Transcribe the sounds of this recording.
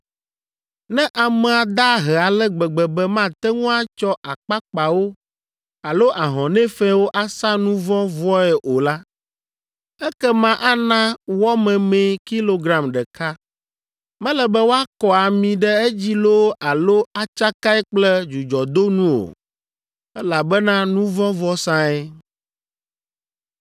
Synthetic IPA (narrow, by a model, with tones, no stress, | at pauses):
nɛ̃˦ʔa˨mɛ̃˨a˨d̪a˦ɦɛ˨a˨lɛ˦ɡ͡bɛ˨ɡ͡bɛ˨bɛ˦mã˦t̪ɛ˦ŋũ˦a˦t͡ʃɔ˦ʔa˨k͡pa˦k͡pa˨wo˦ | a˨lo˦ʔa˨ɦɔ̃˨nɛ̃˦fɛ̃˦wo˦ʔa˦sã˦nũ˦vɔ̃˦vɔ˦ɛ˨ʔo˨la˦ | ɛ˦kɛ˦mã˦ʔa˦nã˦wɔ˦mɛ̃˨mɛ̃˨ki˦lo˦ɡɾã˨mɖɛ˨ka˦ | mɛ̃˦lɛ˨bɛ˦wo˦a˦kɔ˨a˨mĩ˨ɖɛ˦ɛ˦d͡ʑi˦lo˦a˨lo˦a˨t͡ʃa˦ka˦ɛ˦k͡plɛ˦d͡ʒu˨d͡ʒɔ˨d̪o˦nũ˦o̰˨ | ɛ˦la˨bɛ˦nã˦nũ˦vɔ̃˦vɔ˦sã˦ɛ˦